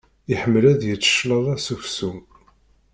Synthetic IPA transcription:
ɪħəmːəlæðjət͡sːə̥ʃləðˤæsufsum

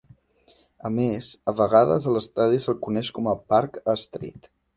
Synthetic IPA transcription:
əmezəβəɣ̞aðə̰zəlˠəst̪aðisəlˠkunɛʃkɔməpaɾkəst̪ɾḭt̪

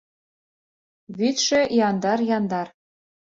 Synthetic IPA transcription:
βit̪ʃɘ̆jɑnd̪ɑrjɑnd̪ɑr

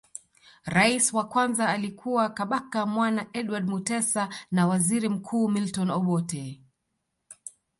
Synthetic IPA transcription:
ɾaisiwakwanzaːlikʰuwakaɓakamwanaʔɛɗwaɗmutɛsanawaziɾim̩kʰuːmiltɔnɔɓɔtɛ

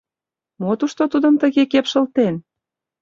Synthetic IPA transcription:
mot̪uʃt̪ot̪ud̪əmt̪əɣekepʃə̆lt̪en

